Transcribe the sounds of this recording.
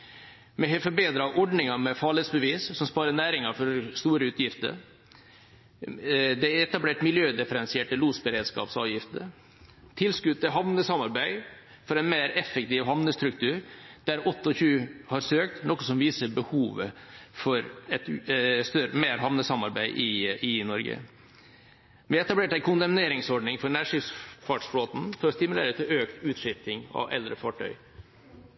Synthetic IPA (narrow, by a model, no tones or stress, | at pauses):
mɛhɛfɔɾbeːd̪ɾɑʔɔɖnɪŋɑmɛfɑːɭhed̪sbəʋiːssɔmspɑːɾənæːɾɪŋɑfɔst̪uːɾəʉːt̪jɪft̪ə̰ɾ | d̪ɛɛt̪ɑbleːʈmɪljøːd̪ɛfəɾɛnsɪeːʈəluːsbəɾeːd̪skɑ̰ːpsɑ̰ːʋjɪft̪ə | t̪ʰɪlskʉd̪̚əɦɑʋnəsɑmɑɾbæɪ | fɔɾɛɪnmeːɾɛfːɛk̚t̪iːʋɦɑʋnəst̪ɾʉkt̪ʰʉːɾd̪̥æɾɔt̪ːəɔçʉːhɑɾsøːk̚t̪nɔkːəsɔmʋiːsəbəhuːʋəfɔɾɛt̪st̪œɾəmeːɾɦɑʋnəsɑmɑɾbæɪʔɪɪnɔɾɡə̰ | mɛɛt̪ɑbleːʈæɪkʰʊnd̪ɑmneːɾɪŋsɔɖɳɪŋfɔɾɳæːɾʂɪfsfɑʈsfɽoːt̪n̩fɔɾɔst̪ɪmʉlḛːɾət̪ʰːɪøːkt̪ʉːt̪ʂɪft̪ɪŋɑ̰ʋʔɛ̰ld̪ɾəfɑʈʰœ̰ʏ